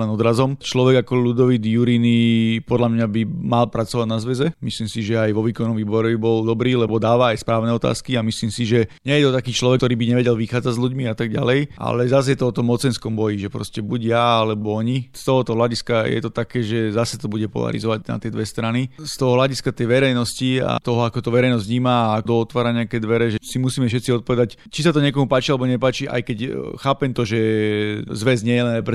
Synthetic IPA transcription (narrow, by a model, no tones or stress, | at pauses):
lɛnɔd̪ɾazɔmt͡ʃlɔʋɛɡakɔlud̪ɔʋid̪juɾinipɔd̪lamɲabimalpɾat͡sɔʋaɟnazʋɛzɛmisliːmsiʒɛajʋɔʋiːkɔnːɔmʋiːbɔɾɛbibɔld̪ɔbɾiːlɛbɔd̪aːʋaːjspɾaːʊnɛɔt̪a̰ːskiamisliːmsiʒɛɲɛjɛt̪ɔt̪akiːt͡ʃlɔʋɛk̚t̪ɔɾiːbiɲɛʋɛɟɛlʋixaːd͡zaɟzʎuɟmiat̪aɡɟa̰lɛjʔa̰lɛzas̬jɛt̪ɔɔt̪ɔmːɔt͡sɛnskɔmbɔjiʒɛpɾɔ̰scɛbuɟjaalɛbɔɔɲist̪ɔɦɔt̪ɔɦlaɟiskajɛ̰t̪ɔt̪akɛːʒɛzasɛt̪ɔbuɟɛpɔ̰la̰ɾḭzɔʋaɟna̰t̪ɪɛd̪ʋɛst̪ɾanist̪ɔɦɔɦlaɟiskat̪ɛjʋɛɾɛjnɔscia̰t̪ɔɦɔakɔt̪ɔʋɛɾɛjnɔzɲiːmaakd̪ɔɔt̪ʋaːɾaɲɛakɛːd̪ʋɛɾɛʒɛsimusiːmɛfʃɛt̪t͡siɔt̪̚pɔʋɛd̪act͡ʃisat̪ɔɲɪɛk̬ɔmupaːt͡ʃialɛbɔɲɛpaːt͡ʃiʔa̰jkɛcxaːpɛmt̪ɔʒɛ | zʋɛzɲɪɛjɛlɛnajpɾɛ